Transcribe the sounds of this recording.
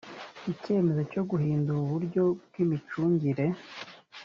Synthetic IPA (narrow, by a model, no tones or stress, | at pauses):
ice̞ːme̞zo̞co̞ɡuɦiːnduɾuβuɾɟo̞b̚ɡimit͡ʃuːɲɟiɾe̞